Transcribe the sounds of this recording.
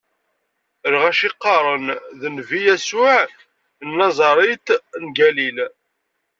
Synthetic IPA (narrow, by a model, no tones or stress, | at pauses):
əlʁæʃɪqːɑɾˤənðənvijæsʊʕ | nːɑzˤɑɾˤɪt̪nɡælil